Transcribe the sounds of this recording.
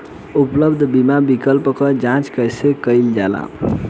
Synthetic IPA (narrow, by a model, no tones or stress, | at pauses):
upləbd̪ʱbimabikəlpkəd͡ʒãt͡ʃkəjsekəjld͡ʒala̰